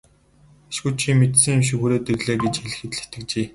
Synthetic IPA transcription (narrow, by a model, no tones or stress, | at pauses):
ḁʃxut͡ɕʰimet̪sɘ̆ŋemʃ̬ɪ̆kxuɾeːt̪erɮeːɡet͡ɕxeɮɘ̆xĕt̪ɮɘ̆t̪ɘ̆k̚t͡ɕiː